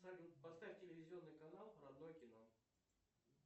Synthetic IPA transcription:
aɪpɐst̪afʲtʲɪlʲɪvʲɪzʲɪo̞nːɨjkɐnalˠrɐd̪nojəkʲɪno̞

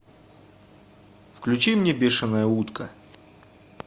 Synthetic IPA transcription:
fklʲʉt͡ɕimnʲebʲeʂɨnəjəut̪kʰɐ

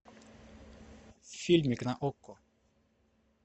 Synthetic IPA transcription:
filʲmʲiknaʔɔkːɔ

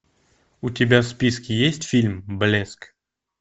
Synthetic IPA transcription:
ʊtʲɪbʲaspʲiskʲɪjesʲtʲfʲilʲmblʲesk

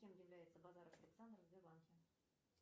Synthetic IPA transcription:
kʲemjɪvlʲæjɪt̪səbɑzɑɾəfɐlʲɪksand̪rzd̪ʲelˠɑnkʲe

